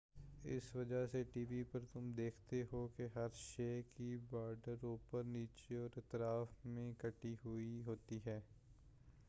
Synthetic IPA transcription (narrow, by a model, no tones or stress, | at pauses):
ɪ̰sʋɐd͡ʒaseʈiːʋipəɾt̪ʊmd̪eːkʰt̪eɦokeɦɐɾʃɛːkibaːɖəɾoːpəɾniːt͡ʃeɔːɾɪt̪ɾaːfmẽkɐʈːiɦʊiɦoːt̪iɦɛː